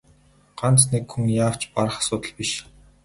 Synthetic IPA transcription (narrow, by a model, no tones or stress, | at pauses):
ɢ̥ant͡snekxuŋjaːw̥t͡ɕpaɾə̆χḁsʊːt̪ə̆ɮpiʃ